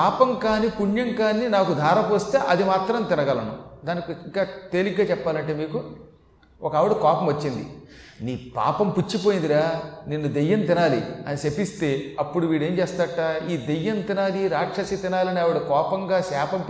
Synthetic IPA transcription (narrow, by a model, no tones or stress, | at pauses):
aːpɐmkaːnipuɳjɐŋkaːnːinaːkud̪ʱaːɾɐpost̪eːʔɐd̪imaːt̪ɾɐmt̪ɪnɐɡɐlɐnṵd̪aːnikiiŋkaːt̪eːliɡɡaːt͡ʃɛpːaːlɐɳʈe̞ːmiːku | ɔkɐaːʋiɽukɔːpɐmʋɐt͡ʃːind̪ḭniːpa̰ːpɐmput͡ʃːipo̞ːjind̪iɾaːninːud̪ejːɐnt̪inaːlḭɐnisepist̪e̞ːɐpːuɽuʋiːɽe̞ːnt͡ʃeːst̪aːʈːaːiːd̪ejːɐnt̪inaːliɾaːkʂɐsit̪inaːlɐniaːʋuɽukɔːpɐŋɡaːsaːpɐm